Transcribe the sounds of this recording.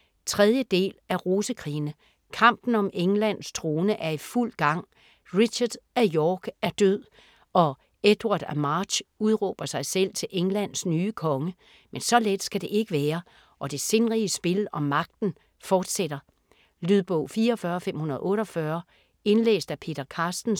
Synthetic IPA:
t͡sʰʁɛð̞ˠjəd̥e̝̰ːlæʁo̝ːsəkʰʁḭːnə | kʰɑ̈m̰b̥n̩ɒ̽mʔeŋlæn̰st͡sʰʁo̝ːnəʔæɐiful̰ɡ̥ɑ̈ŋ̰ | ʁiɕɐd̥æjɒːɡ̥æɐd̥øð̰ˠ | ɒ̽ | ed̥wɑ̈d̥æmɑ̥ːɕuð̞ˠʁɔːb̥ɐsɑ̈ɪsel̰t͡sʰe̝leŋlæn̰snyːəkʰɒ̽ŋə | mensɒ̽led̥sɡ̥æd̥e̝ʔe̝ɡ̥əʋæːɐ | ʔɒ̽d̥e̝se̝nʁiəsb̥e̝lɒ̽mɑ̈ɡ̥̚d̥n̩ | fɒːd̥seɾ̥ɐ | lyðˠb̥ɔʊ̰fiːɐːfɶːɐfem̰hunɐð̞ˠʔɔ̽ːɾɒ̽fɶɐ | e̝nlḛːsd̥æpʰe̝̰ːd̥ɐkʰɑːsd̥n̩

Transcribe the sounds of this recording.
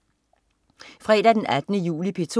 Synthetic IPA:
fʁɛ̰ːd̥æd̥enæd̥ənəjṵːlipʰe̝t͡sʰ

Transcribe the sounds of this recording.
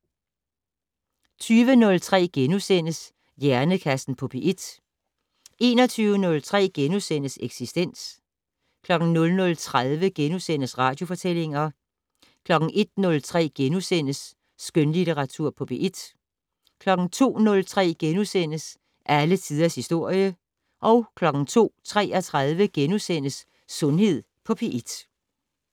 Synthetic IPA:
t͡sʰyːʋənɔ̽lt͡sʰʁɛ̰ːɡ̥enusen̰əs | jæɐnəkʰæsd̥n̩pʰɔ̽b̥iʔid̥ | e̝ːnɒt͡sʰyːʊənɔ̽lt͡sʰʁɛ̰ːɡ̥enusen̰əseɡ̥sisd̥en̰s | kʰlɒ̽ɡ̥n̩nɔ̽lnɔ̽lt͡sʰʁað̞ˠʋəɡ̥enusen̰əsʁɑ̈ːd̥jo̝fɒ̽t͡sʰel̰e̝ŋɐ | kʰlɒ̽ɡ̥n̩ʔe̝d̥nɔ̽lt͡sʰʁɛ̰ːɡ̥enusen̰əsː | ɡ̥ønlit͡seʁɑ̈t͡sʰuɐ̰pʰɒ̽pʰeʔid̥ | kʰlɒ̽ɡ̥n̩t͡sʰo̝̰ːnɔ̽lt͡sʰʁɛ̰ːɡ̥enusen̰əs | ʔælət͡sʰiːð̞ˠɐshisd̥o̝ɐ̰jə | ʔɒ̽ʊkʰlɒ̽ɡ̥n̩t͡sʰo̝̰ːt͡sʰʁɛ̰ːɐt͡sʰʁaðˠʋəɡ̥enusen̰əsː | ɔ̽nhe̝ð̞̰ˠ | pʰɒ̽pʰe̝ʔid̥

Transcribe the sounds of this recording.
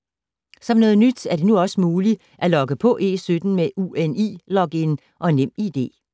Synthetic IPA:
sɒ̽mnɔ̽ːð̩ˠnyd̥æɐd̥e̝nuɒ̽səmuːli | ʔælɒ̽ɡ̥əpʰɒ̽ʔe̝̰ːsød̥n̩meʔuenḭːlɒ̽ɡ̥en | ʔɒ̽nem̰id̥e̝̰ː

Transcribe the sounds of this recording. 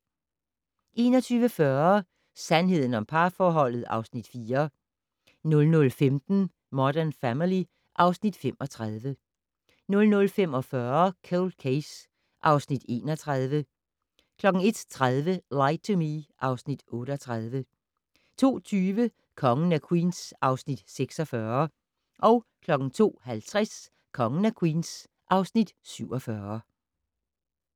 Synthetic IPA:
ʔe̝ːnɒ̽t͡sʰyːʋəfɶɐ | sænɦe̝ð̞̰ˠn̩ɒ̽mpʰɑ̈ːfɒːɦɒ̽l̰ð̞̩ˠɑ̈ʊsnid̥fiːɐ | nɔ̽lnɔ̽lfemd̥n̩ | mɒd̥æɐnfæmili | ʔɑ̈ʊsnid̥femɒ̽t͡sʰʁaðˠʋə | nɔ̽lnɔ̽lfem̰ɒ̽fɶɐkʰolkʰes | ʔɑ̈ʊsnid̥e̝̰ːnɒ̽t͡sʰʁaðˠʋə | kʰlɒ̽ɡ̥ŋ̩e̝d̥t͡sʰʁaðˠʋəlɑ̈ɪt͡sʰomiʔɑ̈ʊsnid̥ɔ̽ːɾəɒt͡sʰʁað̞ˠʋə | t͡sʰo̝̰ːt͡sʰyːʋə | kʰɒ̽ŋən̩ækʰwḭːnsʔɑ̈ʊsnid̥seɡ̥sɒ̽fɶɐ | ʔɒ̽ʊkʰlɒ̽ɡ̥ŋ̩t͡sʰo̝̰ːhælt͡sʰʁas | kʰɒ̽ŋən̩ækʰwḭːns | ʔɑ̈ʊsnid̥syʊ̰ɒ̽fɶɐ

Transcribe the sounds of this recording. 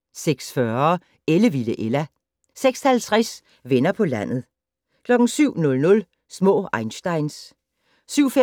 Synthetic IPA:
seɡ̥sfɶɐɐ | eləʋiləʔelæ | seɡ̥shælt͡sʰʁas | ʋenɐpʰɒ̽læn̰ð̞̩ˠ | kʰlɒ̽ɡ̥n̩syʊ̰nɔ̽lnɔ̽l | smɔ̰̽ːɑ̈ɪnsd̥ɑ̈ɪns | syʊ̰fe

